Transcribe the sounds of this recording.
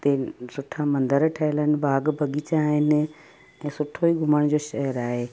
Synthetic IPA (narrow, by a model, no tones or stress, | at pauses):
t̪eːsʊʈʰamɐ̃nd̪əɾʈʰəɦɪlənɪ̆baːɡbʱɐɠit͡ɕaːɦɪn | ɛ̃ːsʊʈʰːoiɡʱʊməɽ̃d͡ʑoːʃɛɦəɾaːɦeː